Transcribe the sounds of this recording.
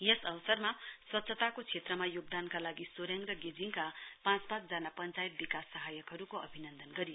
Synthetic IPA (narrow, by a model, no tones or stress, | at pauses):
jesʌwsʌrmaswʌt̪sʰʌt̪akot͡sʰet̪rʌmajoɡ̚d̪ankalaɡisoɾeŋɡrʌɡed͡ziŋkapãt͡sbat̪̚d͡zanapʌnt͡sajt̪̚bikasːʌɦajʌkɦʌɾukoʌbʱinʌnd̪ʱʌnɡʌɾio